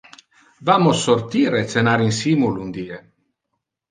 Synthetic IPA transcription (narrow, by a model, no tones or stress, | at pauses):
vamosːoɾt̪iːɾet̪senaɾinsimulund̪iːe